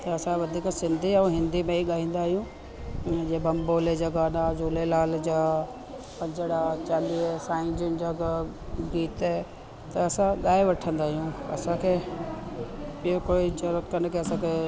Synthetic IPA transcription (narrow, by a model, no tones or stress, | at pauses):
t̪ɐɐsãʋɐd̪ʱiːksɪ̃nd̪ʱiɐ̃ɦɪ̃nd̪imẽiɠaːɦĩːn̆d̪aːɦijũ | d͡ʑebɐmboːled͡ʑɐɡanazuːlelaːld͡ʑaː | pɐ̃ɲd͡ʑəɽat͡ɕaːliːsaːɪ̃ɲd͡ʑənd͡ʑaɡa | ɡiːt̪ | t̪ɐɐsãɠaːeʋɐʈʰə̃nd̪aːɦijũɐ̰sãkʰeː | piokoːid͡ʑɐɾət̪kənkʰeɐsãkʰe